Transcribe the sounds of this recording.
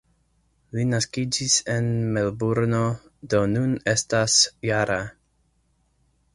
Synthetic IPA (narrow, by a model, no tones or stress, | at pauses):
linaskid͡ʒise̞nmelbuɾno̞ | do̞nune̞stasjaɾa